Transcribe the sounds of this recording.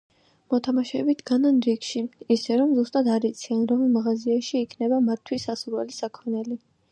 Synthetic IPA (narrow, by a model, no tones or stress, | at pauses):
mɔt̪ʰamaʃɛbit̪ʰɡananɾikʃiisɛɾɔmzust̪ʼad̪aɾit̪sʰianɾɔmilmaʁaziaʃiːkʰnɛbamat̪ʰːwisasuɾwɛlisakʰɔnɛli